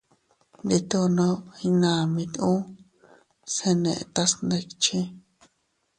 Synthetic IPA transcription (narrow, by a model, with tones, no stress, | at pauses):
nd̪i˧t̪o˦˧nõ˧i˧nã˧˨mĩ˧t̪ũ˦ | sẽ˧nḛ̃˧ʔt̪a˦sne˧kt͡ʃi˦